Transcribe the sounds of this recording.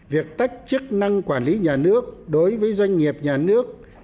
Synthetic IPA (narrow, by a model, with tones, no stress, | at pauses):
vi˨˩ək̚t̪a˦˥jk̟̚t͡ɕɨ˦˥k̚na˧ŋkwaː˧˩nli˨˦ɲaː˨˩nɨ˦˥ək̚ɗo˨˦jvəː˨˦jzwa˧jŋ̟ːi˨˩əp̚ɲaː˨˩nɨ˦˥ək̚